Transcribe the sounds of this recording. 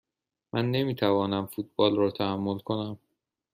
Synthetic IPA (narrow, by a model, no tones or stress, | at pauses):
mʔænːe̞miːt̪ʰævɒːnæmfuːt̪̚b̥ɒːlrɒːt̪ʰæhæmːolkʰo̞næm